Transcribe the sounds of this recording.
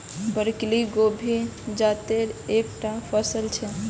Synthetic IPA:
bəɾkliɡobʱid͡ʒat̪eɾekʈapʰəsəlt͡ʃʰɛ

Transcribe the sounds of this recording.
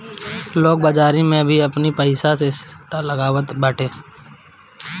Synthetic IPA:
loːk̚baːd͡ʒaːɾimẽbʱiɐpnipəɪsasesʈaləɡaːʋət̪bəːʈʰeː

